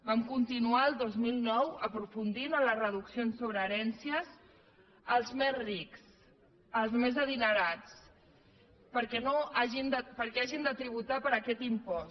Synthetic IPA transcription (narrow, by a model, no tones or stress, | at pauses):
bamkunt̪inuaəlˠd̪ozmilˠnɔwəpɾufund̪inələrəð̞uksionsːoβ̞ɾəːɾɛnsiəs | əlˠzmezriks | əlˠzmezəðinəɾat͡s | pəɾkɛnoaʒind̪əpəɾkɛaʒind̪ət̪ɾiβ̞ut̪apəɾəkɛt̪impɔs